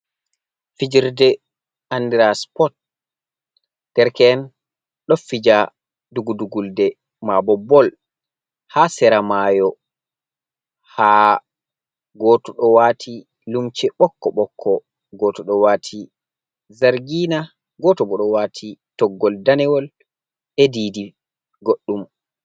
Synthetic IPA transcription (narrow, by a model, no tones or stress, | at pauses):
fid͡ʒiɾdɛ | andiɾaspɔt̚ | d̥ɛɾkɛn | ɗɔfid͡ʒa | duɡuduɡuldɛ | mabɔbɔl | hasɛɾamajɔ | haː | ɡɔːtɔɗɔwaːtʰi | lumt͡ʃɛɓɔkːɔɓɔkʰːɔ | ɡɔːtɔɗɔwaːtʰi | zaɾɡina | ɡɔtɔbɔɗɔwaːtʰitɔɡːɔldanɛwɔl | ɛdiːdi | ɡoɗːum